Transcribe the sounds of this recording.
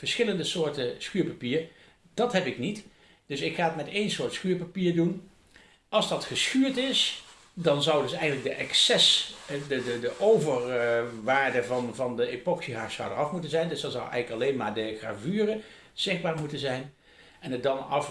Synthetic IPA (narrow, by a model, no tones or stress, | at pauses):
vəɹsχɪləndəsʊːɹtəsxyːɹpapiːɹ | d̥ɑtɦɛpɪknit | d̥ɵsɪkχaːət̚mɛtejnsʊːɹtsxyːɹpapiːɹdun | ɑlˠzdɑtχəsxyːɹtɪs | dɑnzʌwdɵsɛjɣəntlək̚dəʔɛksɛsdədədəʔowvəɹʋaːɹdəvɑnvɑndəepɔksiɦaːsɑ̰wdərɑfmutənzɛjndɵsdɑnzʌwɛ̰jɣənləkɑlejnmaːɹdəχra̰ːvyːrə | z̥ɪχbaːɹmutənzɛjn | ɛnədɑnɑf